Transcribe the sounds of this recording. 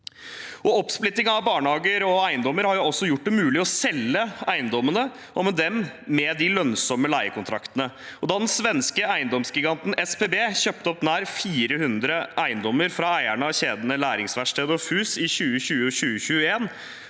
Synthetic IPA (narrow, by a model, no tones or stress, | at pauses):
ɔɔpsplɪt̪ːɪŋɑʋbɑːɳhɑːɡəɾɔæɪənd̪ɔmːəɾhɑɾjʊɔsːɔjʊʈ̚ːɖ̪ɛmʉːlɪɔsɛlːəæɪənd̪ɔmənə | ʔɔmɛd̪ɛmːɛd̪ɪlœnsɔməlæɪəkʊnt̪ʰɾɑkt̪ənə | ɔd̪ɑːd̪ɛnsʋɛnskəæɪənd̪ɔmsɡɪɡɑnt̪n̩ɛspeːbeːçøp̚t̪əɔpnæːɾfiːɾəhʉnd̪ɾəʔæɪənd̪ɔmːəɾfɾɑæɪæɳəɑçeːd̪ənəlæːɾɪŋsʋæʂʈeːd̪əɔfʉːsɪɕʉːəɕʉːəɕʉːəɕʉːəeːn